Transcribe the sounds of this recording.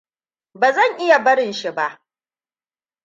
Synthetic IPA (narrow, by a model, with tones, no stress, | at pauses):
baː˨zɐ˦˨ŋʔɪ˦ja˨bɐ˦ɽɪ˨nʃi˨ba˦ʔ